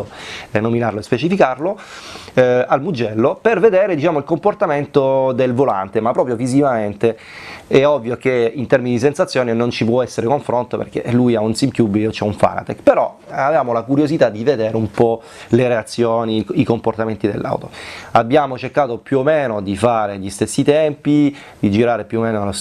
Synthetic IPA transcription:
onːominarloespet͡ʃifikarlo | almud͡ʒːɛlːoperved̪ɛːɾed̪it͡ʃaːmoilkomport̪ament̪od̪elvola̰nt̪emapːɾɔpɾjovizivament̪e | ɛɔvːjok̟eint̪ɛrminid̪is̬ensat̪sːjoːninont͡ʃip̬wɔɛsːeɾekoɱfɾont̪opḛrk̟ḛlujaunsimkjubot͡ʃɛuɱfa̰ːna̰t̪ɛkpeɾɔavevaːmolakuɾjozit̪ad̪ːived̪eːɾeumpɔ | leɾeat̪sːjoːniikomport̪ament̪id̪ḛlːa̰wt̪o̰abːjaːmot͡ʃerkaːt̪opjuomeːnod̪ifaːɾeʎist̪esːit̪ɛmpi | d̪id͡ʒiɾaːɾepjuomːeːnolos

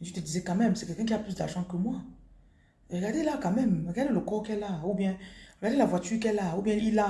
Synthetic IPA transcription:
tit̪ədizɛkãmɛ̃msekɛkɛ̃k̬iaplysdaʒãkəmwa | eɡadelakãmɛ̃mɡadelokɔkɛlaubjɛ̃ɡadelavwatykɛlaubjɛ̃ila

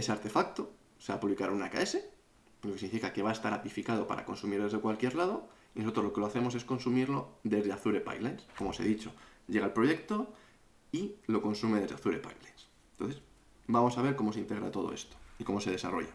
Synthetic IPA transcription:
e̞seaɾt̪e̞fakt̪o | seβapuβlikaɾunaka̰e̞se̞ | lokesiŋnifikake̞βaest̪aɾapifikað̞o̞pa̰ɾa̰ko̞nsumiɾðezðekwalkje̞ɾlað̞o̞ | ino̞sot̪ɾo̞zlo̞keloaθe̞mo̞s̬e̞sko̞nsumiɾlo̞ðe̞zðeaθuɾepa̰jlenskomo̞sḛðit͡ʃo̞ɟ͡ʝe̞ɣ̞alpɾo̞ʝe̞kt̪o̞ | ilo̞ko̞nsume̞ð̞e̞zðeaθuɾe̞pa̰jlens | nt̪onθe̞s | bamo̞saβ̞e̞ɾko̞moseint̪e̞ɣɾa̰t̪o̞ð̞o̰e̞̰st̪o̥iko̞mo̞seð̞e̞saro̞̰ʝa

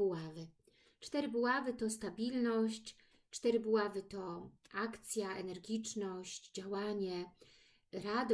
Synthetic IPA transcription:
uavɘ | t͡ʂt̪ɛɾɘbuwavɘt̪ɔst̪abʲilnɔɕt͡ɕ | t͡ʂt̪ɛɾɘbuwavɘt̪ɔakt̪sʲjaʔɛnɛɾɡʲit͡ʂnɔɕt͡ɕd͡ʑawaɲɛ | ɾad̪

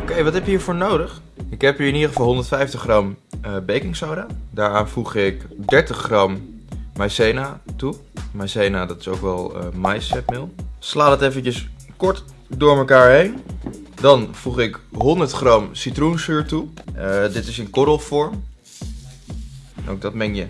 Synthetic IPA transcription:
okejʋɑtɦɛpjəɦiːɹvʊːɹnowdəχ | ɪkɦɛpiːɹɪnidəχəfɑlˠɦɔndəɹtfɛjftəχrɑmbejkɪŋsowɾaːdaːɹaːnvuχɪkdɛɹtəχrɑmːajsejnaːtumajsejnaːdɑtɪ̥sowkʋɛlˠə̰majsɛpmɪlˠslaːdɑtefəncəskɔɹt | dʊːɹməkaːɹɦejndɑnv̥uχɪkɦɔndəɹtχrɑmsitrunsyːɹtudɪtɪsənkɔɾəlˠfɔɹm | nʔo̰wk̚dɑtmɛŋjə

